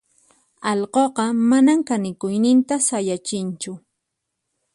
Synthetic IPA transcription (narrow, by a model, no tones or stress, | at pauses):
ɑʎqoqɑmanamkanɪkʊjnɪnt̪asajat͡ʃɪnt͡ʃʊ